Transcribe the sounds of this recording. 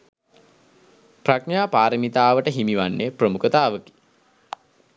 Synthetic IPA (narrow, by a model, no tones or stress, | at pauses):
prakɳaːpaːɾəmit̪aːʋəʈəɦimiʋanːeprəmukət̪aːʋəki̥